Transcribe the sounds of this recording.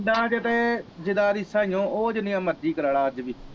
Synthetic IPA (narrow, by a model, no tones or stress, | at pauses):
ɖãːd͡ʒet̪eːd͡ʒɪd̪aːɾiːsaːijõːʔoːd͡ʒɪnɪjãːməɾd͡ʒiːkəɾaːɭaːəd͡ʒʋiː